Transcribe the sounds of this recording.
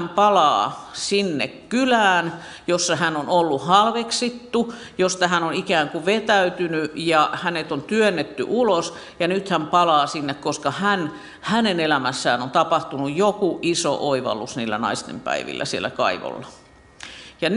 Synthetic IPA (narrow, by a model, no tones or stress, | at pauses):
mpɑlɑ̰ːsinːḛkkylæːn | josːɑhænonolːuhɑlʋeksit̪ːu | jost̪ɑhænonikæːŋkuʋet̪æyt̪ynyjɑhænet̪ont̪yønːet̪ːy̰ʔulos | jɑnyt̪hæmpɑlɑːsinːekkoskɑhæn | hænenelæmæsːæːnont̪ɑpɑht̪unujjokuʔiso̰ʔoiʋɑ̰lːˑusniːlːænɑ̰ist̪ḛmpæ̰iʋḭlːæ̰siḛlːˑæ̰kɑ̰iʋo̰lːɑ | jɑn